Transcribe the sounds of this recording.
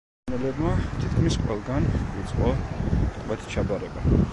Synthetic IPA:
nɛlɛbmat̪ʰit̪kʰmisqʼwɛ̰lˠɡanut̪sʼqʼɔt̪ʼwɛt̪ʰt͡ʃʰabaɾɛba

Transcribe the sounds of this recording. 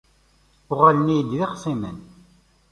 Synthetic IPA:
ʊʁælənijəd̪ðiqsˤimən

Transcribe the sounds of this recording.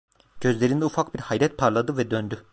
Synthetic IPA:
ɟ̥ø̞zlʲeɾind̪ɛufakbiɾhajɾɛt̪̚pʰaɾlˠad̪ɯvɛd̪ønd̪y

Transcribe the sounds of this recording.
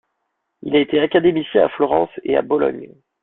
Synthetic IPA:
ilaet̪eakad̪emisjɛ̃a̰flɔʁɑ̃sḛa̰bɔlɔ̰ɲ

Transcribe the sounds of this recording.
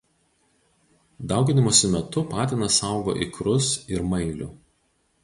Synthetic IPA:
d̪ɐˑʊɡʲɪnʲɪmoːsʲɪmʲɛt̪ʊpɑːt̪ʲɪnɐsɑˑʊɡo̰ːʔɪ̰kɾʊsɪɾmɐɪlʲʊ̰

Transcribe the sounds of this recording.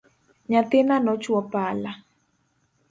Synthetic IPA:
ɲat̪ɪnanɔt͡ʃwɔpala

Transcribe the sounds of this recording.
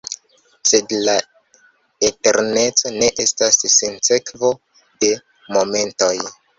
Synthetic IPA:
se̞dla | ete̞ɾne̞t͡so̞ne̞ʔe̞stasːinse̞kvo̞ | de̞ | mo̞me̞nto̞j

